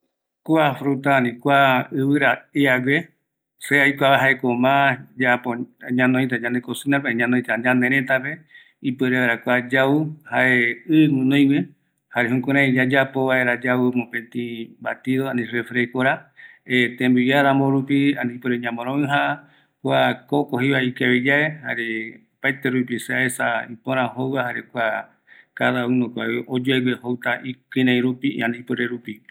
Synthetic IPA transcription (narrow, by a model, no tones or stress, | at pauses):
kʷafɾut̪aːnĩkʷaɨβɨɾaeaɡʷe | seajkʷaβaɦaekomãd͡ʒapoɲãnõj̃t̪̬ad͡ʒãnd̪ekosinapeɲãnõj̃t̪ad͡ʒãnd̪ẽɾẽt̪ape | ipeɾeeɾakʷad͡ʒauhaʔeɨŋũnõj̃me | haɾeɦũkẽɾ̃ãid͡ʒad͡ʒapoβaeɾad͡ʒaumõpẽnt̪ĩba̰t̪iðoãnĩrefɾekoɾaet̪ẽmbujaɾãmõɾupianĩpɨɾeɲãmõɾ̃õɨ̃ɦa | kʷakokohiβaikeβid͡ʒaehaɾe | pajt̪eɾupiseaesaipõɾ̃ãɦowahaɾekʷa | kaðaunõkʷaʔod͡ʒoeɡehowt̪aʔikɨ̃ɾãj̃ɾupḭãnĩpɨɾeɾupi